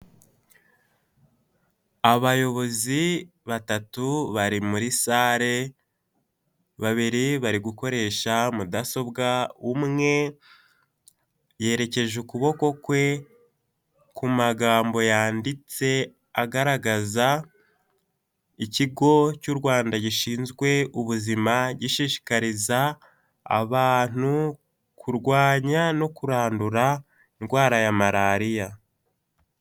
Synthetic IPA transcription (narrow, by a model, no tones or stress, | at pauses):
aβajo̞βo̞zi | βatatuβaɾimuɾisaːɾe̞ | βaβiɾiβaɾiɡuko̞ɾe̞ːʃamudaso̞bɡaumŋe̞ | je̞ːɾe̞ce̞ʒukuβo̞ko̞kwe̞ | kumaɡaːmbo̞jaːndit͡se̞ | aɡaɾaɡaza | iciɡo̞cuɾɡwaːndaɟiʃiːnzɡwe̞uβuzimaɟiʃiːʃi̥kaɾiza̰ː | βaːn̥u | kʰuɾɡwaːɲano̞kuɾaːnduɾa | iŋɡwaːɾajamaɾaɾija